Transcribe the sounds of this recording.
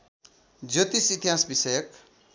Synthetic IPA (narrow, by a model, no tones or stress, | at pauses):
d͡zot̪isit̪iɦasbisʌjʌk